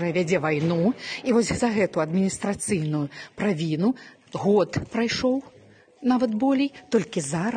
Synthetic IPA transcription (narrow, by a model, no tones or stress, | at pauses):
ɐvʲad͡zʲɛvajnuivɔsʲzɐɣɛt̪ujɐd̪mʲinʲist̪ɾat̪sɨjnujʊpɾavʲinu | ɣɔt̪pɾajʂɔw | navɐt̪bɔlʲijt̪ɔlʲkʲizaɾ